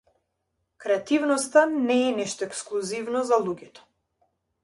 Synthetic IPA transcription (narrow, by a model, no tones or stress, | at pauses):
kɾɛat̪ivnɔst̪anɛːnɛʃt̪ɔɛksklˠuzivnɔzalˠuɡʲɛt̪ɔ̥